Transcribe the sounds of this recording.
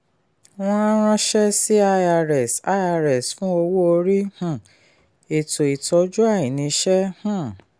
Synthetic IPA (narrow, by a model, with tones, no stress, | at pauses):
w̃ɔ̃˦a˦ɾ̃ã˦ʃɛ˦si˦a˧a˧ɾɛ˨sa˧˦a˧˨ɾɛ˨sfũ˦o˧wo˦o˧ɾi˦hũ˨ | e˨to˨i˨tɔ˨˦d͡ʒu˦a˦˨jĩ˨nĩ˧ʃɛ˦hã˦˨